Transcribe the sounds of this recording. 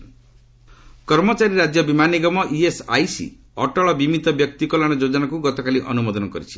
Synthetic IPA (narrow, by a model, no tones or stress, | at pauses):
kɔɾmɔt͡ʃaɾiɾad͡ʒjɔbimaniɡɔmɔʔiesa̰jsḭ | ɔʈɔɭɔbimit̪ɔbjɔkt̪ikɔlaɽ̃ɔd͡ʒod͡ʒɔnakuɡɔt̪ɔkaliʔɔnumɔd̪ɔnɔkɔɾit͡ʃʰi̥